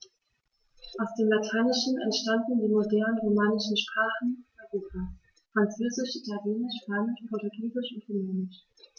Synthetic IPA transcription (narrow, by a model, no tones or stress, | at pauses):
ʔaʊsd̥eːmlatʰaɪnɪʃn̩ɛ̰ntʃtandn̩diːmodɛɐnənʁomaːnɪʃn̩ʃpʁ̥aːχn̩ʔaʁoːpʰaː | fʁ̥ant͡søːzɪʃʔitaljeːnɪʃpaːnɪʃpʰɔɐtʊɡiːzɪʃʊntʁomoːnɪʃ